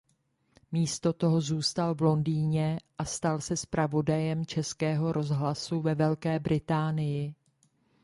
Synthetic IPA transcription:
miːst̪o̞t̪o̞ɦo̞zuːst̪alvlo̞ndiːɲɛʔast̪alsɛspɾavo̞dajɛmt͡ʃɛskɛːɦo̞ɾo̞zɦlasuvɛvɛlkɛːbɾɪt̪aːnɪjɪ

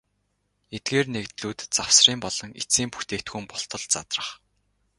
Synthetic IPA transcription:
et̪̚ɡeːrnekt̪ɮuːt̪t͡saw̥sriːmpɔɮɞ̆ŋḭt͡siːmpu̥xt̪eːkt̪ɡŭːmpɔɬt̪ɞ̆ɮt͡sat̪rə̥̆χ

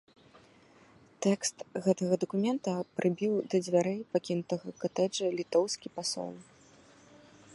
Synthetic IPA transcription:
t̪ɛkst̪ɣɛt̪ɐɣɐd̪ɐkumʲɛnt̪ɐpɾʔɨbʲiwd̪ɐd͡zʲvʲaɾɛjpakʲinut̪ɐɣɐkat̪ɛd͡ʐɐlʲit̪ɔwskʲipasɔ̰lˠ

